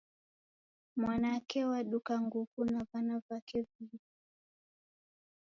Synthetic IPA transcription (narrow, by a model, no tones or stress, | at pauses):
mwanakɛwaɗukaŋɡukunavanavakɛvivi